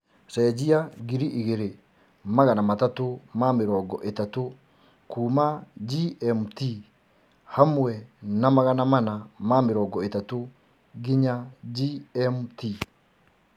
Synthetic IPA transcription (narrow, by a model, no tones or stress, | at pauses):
sɛːd͡ʒiaɡiɾiʔiɣeɾe | maɣanamatatomameɾɔːɡɔʔetato | kuːmad͡ʒiɛmti | hamuwɛnamaɣanamanamameɾɔːɡɔetato | ɡiɲad͡ʒiɛmti